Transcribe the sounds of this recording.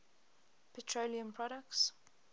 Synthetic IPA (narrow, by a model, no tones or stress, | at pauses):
pʰɛtʰɹoliə̃mpʰɹɔɾək̚ts